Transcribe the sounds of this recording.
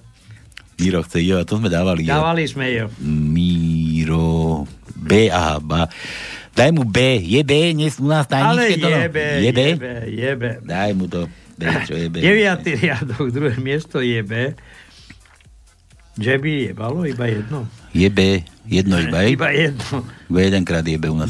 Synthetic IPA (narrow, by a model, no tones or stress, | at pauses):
miɾɔxt͡sɛiɔat̪ɔzmɛd̪aːʋaliaːʋalizmɛjɔmiɾɔ | bɛːa̰ɦa̰ba | d̪̥ajmubɛːjɛbɛːɲɛsunaːst̪ajɲilɛkɛj̪ɔɔbjɛbɛbɛjɛbɛd̪ajmut̪ɔ | bɛt͡ʃɔjɛbɛɛʋɪat̪iɾɪad̪ɔɡd̪ɾuɦɛːmɪɛst̪ɔjɛbɛː | d͡ʒɛbijɛbalɔibajɛd̪nɔjɛbɛːjɛd̪nɔibaɛibajɛd̪nɔibajɛd̪ɛŋkɾaːd̪jɛbɛunaːs